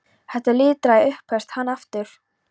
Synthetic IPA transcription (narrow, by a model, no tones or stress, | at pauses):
hɛht̪alɪːt̪ɾajʏhpʰɛst̪hanːaft̪ʏɾ̥